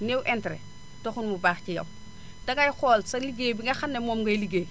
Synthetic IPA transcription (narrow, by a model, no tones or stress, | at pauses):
newʔɛntɾɛ̰ | toxunmubaːxcijɐ̰w | dɐɡɐjxɔːlsɐliɡeːbiŋɡɐxanːemɔːmɡɐjliɡeː